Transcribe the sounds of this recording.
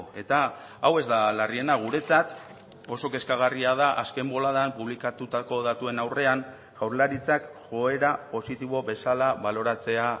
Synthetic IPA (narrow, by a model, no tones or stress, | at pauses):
e̞t̪aː | we̞zd̪alarie̞naɣ̞uɾe̞t͡sat̪ | o̞so̞ke̞skaɣ̞ariaðaʔaske̞mbo̞laðampuβlikat̪ut̪ako̞ðat̪ue̞nawre̞an | ʝ̥awɾlaɾit͡sakʝo̞e̞ɾapo̞sit̪iβ̞o̞βe̞salaβalo̞ɾat͡se̞a